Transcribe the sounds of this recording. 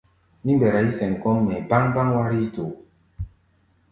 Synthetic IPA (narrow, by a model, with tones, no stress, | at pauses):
ni˦mbɛ˨ɾa˨i˦sɛ̃˨ŋ˨kɔ˦ŋnɛ˨ba˦ŋba˦ŋwa˦ɾi˦to˨